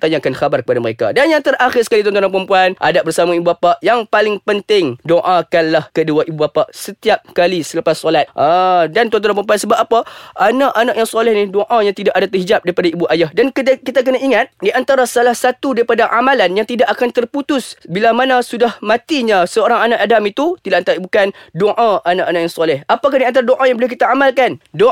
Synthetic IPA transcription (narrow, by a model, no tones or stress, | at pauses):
t̪aɲakanxabarkəpadaməɾeka̰danjaŋt̪əraxɪrsə̥kalit̪̬ɔnt̪oɾanpəɾəmpuanʔa̰daʔ̚bərsamaibubapaʔjaŋpalɪŋpənt̪ɪŋdoʔakanlahkəduaʔibubapaʔsət̪iap̚kalisəlapasːolat̪̚ʔədant̪ɔnt̪̬onãpəmp̬uansəbap̚apaʔanaʔanaʔjaŋsalɛhnidoʔãjaŋt̪idaʔadat̪ərɦid͡ʒap̚daɾipadaibuʔajahdank̪kit̪ak̬ənaʔiŋat̪̚diʔant̪aɾasalahsat̪udaɾipadaʔamalanjaŋt̪idaʔakant̪ərput̪ʊsbilamanasudahmãt̪iɲasəoɾaŋanaʔadamit̪ut̪idaʔt̪abukandoʔãanaʔanaʔjaŋsɔlɛhapak̬adiant̪aɾadoʔajaŋbolɛhkit̪aamalkando